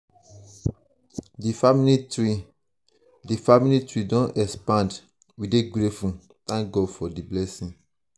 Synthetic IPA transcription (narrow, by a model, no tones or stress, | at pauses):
difamilii | difamilitɹidɔ̃nɛspãnd | wideɡɾefũ | t̪ãŋk̚ɡɔdfɔdiblɛsĩŋ